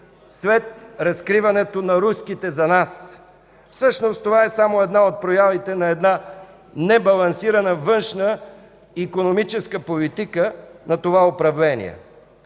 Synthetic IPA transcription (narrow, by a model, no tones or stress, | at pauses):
svɛt̪̚ɾɐskɾivɐnɛt̪onɐɾuskit̪ɛzɐnas | fsɤʃnost̪ovaɛsamoɛd̪naot̪̚pɾojavit̪ɛnɐɛd̪na | nɛbɐlˠɐnsiɾɐnəvɤnʃnə | ikonomit͡ʃɛskəpolit̪ikənɐt̪ovaopɾɐvlɛnḭɛ̰